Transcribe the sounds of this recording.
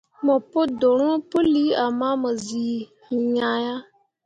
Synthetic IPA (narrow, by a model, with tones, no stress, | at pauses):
mɔ˨pʊ˦dʊ˨ɾʊ˦po˦li˦a˨maː˦mɔ˨ziː˨ | ɲaː˨˦ja˦